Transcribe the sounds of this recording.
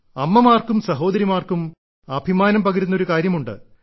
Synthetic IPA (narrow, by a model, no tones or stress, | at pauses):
ɐmːɐmaːrkumsɐɦo̞ːd̪ɐɾimaːrkum | ɐbʱimaːnɐmpɐɡɐɾunːo̞ɾukaːɾjɐmuɳɖɨ̰